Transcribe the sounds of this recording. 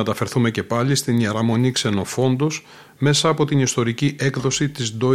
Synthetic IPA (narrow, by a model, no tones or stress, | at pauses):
et̪ɐfeɾθume̞ce̞pɐlist̪iniɐɾɐmo̞nikse̞no̞fo̞nd̪o̞s | me̞sɐːpo̞t̪inist̪o̞ɾiciʔe̞kðo̞sit̪izd̪o̞